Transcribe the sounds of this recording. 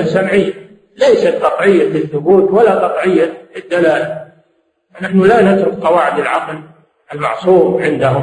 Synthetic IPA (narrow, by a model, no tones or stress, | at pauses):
asamʕɪjːa | lejsat̪qɑt̪ˤʕɪjːaɪθːʊbuːt̪walːaqɑt̪ˤʕɪjːaɪd̪ːalaːla | fnaħnʊlanat̪ɾʊk̚qɑwaːʕɪd̪ɪlʕɑql | ʔɪlmɑ̰ʕsˤuːmʕɪnd̪ahʊm